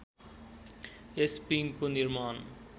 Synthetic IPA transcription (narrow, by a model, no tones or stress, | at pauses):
espiŋkoniɾmaːn